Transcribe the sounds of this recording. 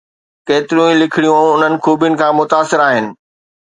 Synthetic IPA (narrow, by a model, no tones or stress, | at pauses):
keːt̪ɪɾjũĩlɪkʰɪɽijũʊn̤ənɪ̆xuːbijʊnɪ̆kʰãːmʊt̪aːsɪɾaːɦɪnɪ̆